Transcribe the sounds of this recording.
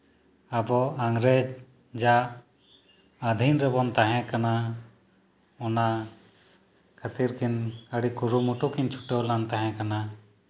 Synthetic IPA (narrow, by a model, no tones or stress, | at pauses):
abɔaŋɾed͡ʒ | d͡ʒa | əd̪ʱinɾɛbɔnt̪aɦɛ̃kana | ɔna | kʰət̪iɾkʰinəɽikuɾumuʈukint͡ʃʰu̥ʈewlant̪aɦɛ̃kana